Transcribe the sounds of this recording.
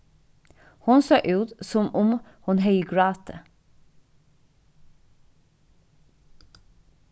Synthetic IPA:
hʊnsøːʔʉːt̪sɔmʊmhʊnhœʏɡɹɑːt̪ʰə

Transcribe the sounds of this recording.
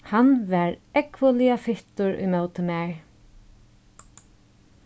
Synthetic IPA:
hanʋɛɹɛkʋʊliafɪht̪ʊɹʊ̰jmœwt̪ɪmɛɹ

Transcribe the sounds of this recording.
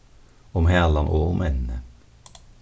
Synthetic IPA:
ʊmhæːlɑnʔoːʊmʔɛnnə

